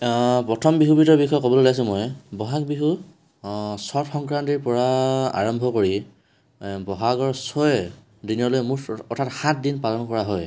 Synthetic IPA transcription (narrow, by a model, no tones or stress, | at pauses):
pɹɔtʰɔmbiɦubitɔɹbikʰːɔjɔkɔbɔlolajs̬ʊ̃mɔjbɔɦak̚biɦu | sɔtxɔŋkɹantiɹpɔɹaa̰ɹɔmbʱɔkoɹi | bɔɦakɔɹsɔj | diniɔlojmuɔtʰatxãt̚dinpalɔnkɔɹaɦɔj